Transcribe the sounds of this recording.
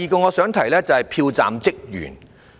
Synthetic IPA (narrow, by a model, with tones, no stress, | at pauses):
iː˨kɔː˧ŋɔː˨˧sœː˨˥ŋt̪ʰɐ˨˩jlɛː˥t͡sɐ˨whɐ˨jpʰiː˧wt͡sa̰ː˨mt͡sɪ˥k̚jy̰ː˨˩n